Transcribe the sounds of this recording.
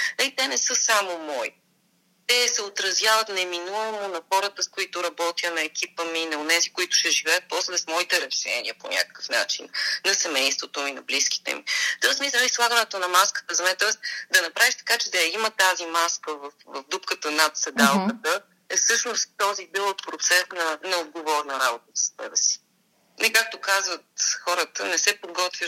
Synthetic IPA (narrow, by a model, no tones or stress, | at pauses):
ɐit̪ɛnɛsɤsamomɔi | t̪ɛsɛot̪ɾɐzjavət̪nɛminuvəmonɐxɔɾət̪əskoit̪ʊɾɐbɔt̪iənɐɛk̟ipəminɐonɛzikoit̪ʊ̥ʃɛʒivɛjət̪̚pɔslɛsmɔit̪ɛɾɛʃɛ̰nḭəponʲa̰kə̥kə̥fna̰t͡ʃḭnnɐsɛmɛjst̪vot̪ominɐbliski̥t̪ɛ̰mḭt̪ɔsmisɛislˠaɡənɛt̪onɐmaskə̥t̪əzɐmɛnt̪ɔɛst̪d̪ɐnɐpɾʔaviʃt̪ɐ̥kat͡ʃɛd̪ɐjimət̪azimaskəvɐfvɐvd̪upkət̪ənɐt̪sɛd̪alˠkət̪ə | ɛsɤʃnost̪ːɔzid̪ɛlˠokpɾot̪sɛsnɐnɐod̪̚ɡovɔɾnɐɾabot̪əfsə̥sɛbɛsi̥ | nɛkak̚t̪okazvət̪xɔɾət̪ə̰nɛsɛpoɡɔt̪vʲjə